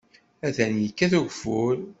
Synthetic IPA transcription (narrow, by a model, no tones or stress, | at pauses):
æðænjəkːæθuʝful